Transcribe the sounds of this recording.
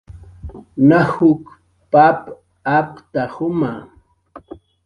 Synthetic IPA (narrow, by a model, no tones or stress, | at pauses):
nahʊk | pap | apt̪ahʊma